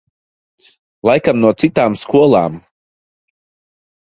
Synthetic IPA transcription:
lˠajkamnuɔt̪sit̪aːmskuɔlˠaːm

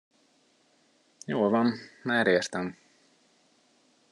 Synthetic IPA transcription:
joːlvɒnmaːɾeːrt̪ɛm

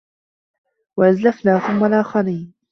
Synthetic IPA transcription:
waʔazlafnaːθʊmːalʔaːxɑɾiːn

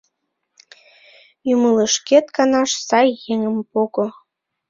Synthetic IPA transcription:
jumələʃket̪̚kɑnɑʃsɑjːeŋəmpoɣo

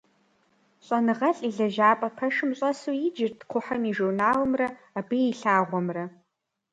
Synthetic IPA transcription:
ɕʼɐnɨʁɐɬʼiɮɐʒaːpʼɐpʰɐʂɨmɕʼɐsujɪd͡ʒɪrtʰqʷʰʊħɐmiʒurnaːwmrɐ | abɨiɬaːʁʷɔmrɐ

